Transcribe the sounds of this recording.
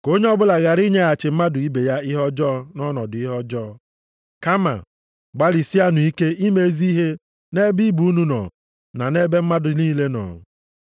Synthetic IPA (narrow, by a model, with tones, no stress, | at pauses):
ko˦ɲe˦ɔ˦bʊ˦la˨ɣa˨ɾi˦ɲe˦a˨t͡ʃɪ˨m̩˦ma˦dʊ˨i˦be˨ja˦ɪ˦ɦɔ˦d͡ʒɔː˦nɔ˦nɔ˨dʊ˨i˦ɦɔ˦d͡ʒɔː˦ | ka˦ma̰˨ | ɡ͡ba˦li˨si˦a˦nʊ˨i˦ke˦i˦me˦e˦zi˦ɦe˦ | ne˦bi˦bu˨u˦nu˦nɔ̰˨ | na˨ne˦be˦m̩˦ma˦dʊ˨˦niː˦le˦nɔ̰˨